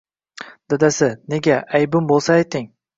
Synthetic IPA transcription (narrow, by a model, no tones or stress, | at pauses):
d̪̥ad̪asɪne̞ɡʲaʔajbʊmbolˠsaːjt̪ɪŋ